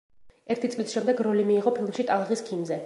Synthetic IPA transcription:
ɛɾt̪ʰit̪sʼlisʃɛmd̪ɛɡɾɔlimiːʁɔpʰilˠmʃit̪ʼalˠʁiskʰimzɛ

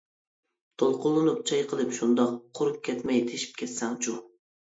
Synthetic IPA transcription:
t̪ʰolˠqʊlˠːɨnup̚t͡ʃʰɑjqʰəlˠɨpʃund̪ɑqʰːoɾup̚kʲʰɛt̪mɛjt̪ʰeʃi̥p̚kʲʰɛt̪sɛŋt͡ʃʰu

